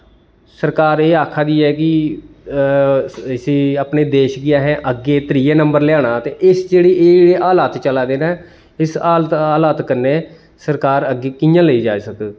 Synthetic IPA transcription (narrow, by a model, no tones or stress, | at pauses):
səɾkaːɾeːaːkʰːaːd̪iːɛːk̬ɪ | ɪsiːaːpneːd̪eːʃɡɪaːɦɛ̃ːʔəɡːeːt̪əɾiːeːnəmbəɾlɪjaːɽaːt̪eːʔɪsd͡ʒeːɽeːeːeɽeːʔaːlaːt̪t͡ʃəlaːd̪eːnaː | ɪsaːt̪aːlaːt̪kəɾneː | səɾkaːɾəɡeːkɪjãːləiːd͡ʒa̰ːsəkː